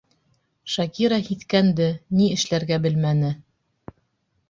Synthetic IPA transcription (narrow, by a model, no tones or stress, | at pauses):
ʃɑkiɾɑhit̪kænd̪ɘniɘ̆ʃlæɾɡæbɘlmænɘ